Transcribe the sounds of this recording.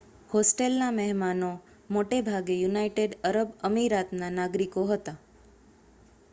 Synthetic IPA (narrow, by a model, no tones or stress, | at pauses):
hosʈelnamɛɦmano | moʈebʱaɡejunaiʈeɖəɾəbəmiɾat̪nanaɡɾikoɦət̪a